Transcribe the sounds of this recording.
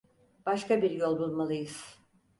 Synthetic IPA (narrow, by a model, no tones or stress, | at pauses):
b̥aʃkabiɾjo̞lˠbulˠmalˠɯjɯz̥